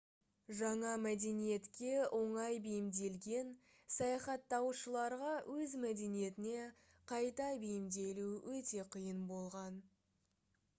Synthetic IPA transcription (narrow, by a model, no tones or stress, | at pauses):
ʒɑɴɑmæd̪e̞nije̞t̪kʲe̞ʔo̞ɴɑjbejɪmd̪e̞lɡʲe̞n | sɑjɑχɑt̪ːɑwʃəlˠɑɾʁɑwʔɵzmæd̪e̞nije̞t̪ɪne̞ | qʰɑjt̪ɑbejɪmd̪e̞luwʔɵt̪e̞qʰəjənbo̞lˠʁɑn